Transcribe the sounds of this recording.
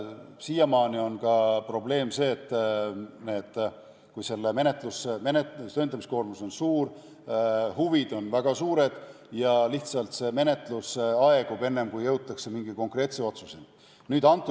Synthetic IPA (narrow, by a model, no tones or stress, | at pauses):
siːjɑmɑːnio̞nɡɑpro̞ble̞ːmse̞ːt̪ːˑnet̪ | kujse̞lːeme̞ne̞t̪ˑlusmenett̪øjnɑmisko̞ːrmuso̞nsuːr | huvid̪̥o̞nvæɡ̥ɑsuːɾe̞d̪̥ | jɑliht̪sɑlt̪se̞me̞ne̞t̪ˑlusɑe̞ɡ̥ube̞nːe̞mkujjɤwt̪ˑːɑkse̞miŋɡ̥iko̞ŋkre̞ːt̪seo̞t̪susej̪ | nyːd̪ɑnt̪ːˑu